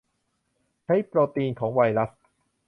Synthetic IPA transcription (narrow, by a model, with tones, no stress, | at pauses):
t͡ɕʰa˦˥jpɾoː˧t̪iː˧nkʰɔː˩˦ŋwa˧jɾa˦˥s